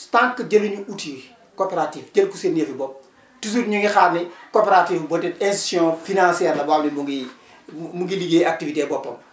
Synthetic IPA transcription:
taŋkːəɟɐluɲuuti | kopeɾatiːfɟɐlkusenːefibɔp̚ | tus̬utɲuŋixaːnnikopeɾatiːfbɔtitɛsisjɔ̃ːfinãsiɛːɾlɐbamnibuŋɡi | muŋɡiliɡeːak̚tivitebɔpːɐm

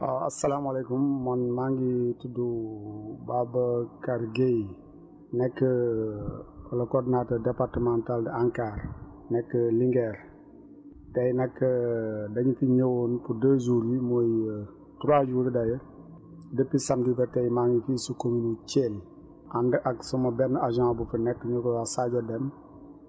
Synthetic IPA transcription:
oa̰salamalekumːɔnmaŋɡitidu | babakaɾɡej | nɛkːə | lɐkotnatədepaɾtəmantaldiaŋkaːɾ | nɛkːəliŋɡeɾ | dajnɛkːədɐɲitiɲəwonpudəzuɾimoj | tuɾad͡ʒuɾidajə | dəpːisamdibɛtejmaŋifisukominut͡ʃel | andəʔaksumɐbɛnaʒãbufinɛkːəɲukɔasaɟɔdɛm

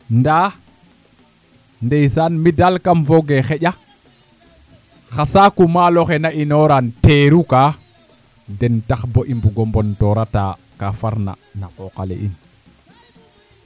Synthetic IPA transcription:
nda | ndejsanmidalkamfoɡexeʄa | xasakumaloxenaʔinoɾanteːɾukaː | dentaxboʔimbuɡombontoɾata̰ | kafaɾna̰naqoqalḛʔḭn

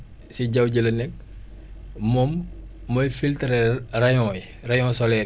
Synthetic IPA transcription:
siɟɐwɟəlɐnɛk̚ | mɔmː | ɔjfiltɾɛrɐjɔ̃ːj | rɐjɔ̃ːsɔlɛ

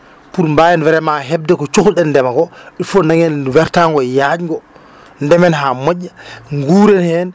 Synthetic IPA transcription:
puɾmbajɛnvɛɾɛmaɦɛb̚dɛkɔt͡ʃoxulɗɛnːdɛmakɔɗifɔnaŋɛnwɛɾtaŋɡɔjad͡ʒŋɡɔ | ndɛmɛnɦamoɟːaŋɡuːɾɛnhɛn

